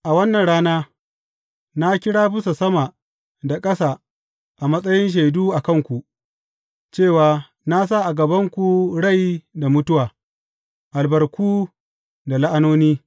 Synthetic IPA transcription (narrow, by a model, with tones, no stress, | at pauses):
ʔa˨wɐ˦nːɐ˨nɽaː˦naː˦ | na˦kʲɪ˦ɽaː˦bɪ˦so˨sɐ˦ma˨ | da˨kʼɐ˦saː˨ | ʔa˨mɐ˦sʼɐ˦jɪ˦nʃ̬e˨jduː˦ʔa˨kɐ˦ŋkʷu˨ʔ | t͡ʃeː˦˨waː˨ | na˦s̬a˦˨ʔa˨ɡɐ˨bɐ˦ŋkʷu˨ɽa˦˨jda˨mʊ˦tʊ˦waː˨ | ʔa˨lbɐ˨rkʷuː˦ | da˨la˦ʔa˦noː˦niː˦